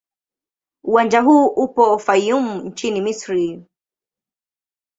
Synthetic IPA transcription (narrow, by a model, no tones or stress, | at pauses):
uwand͡ʒaɦuːʔupɔːfajumn̩t͡ʃinimisɾi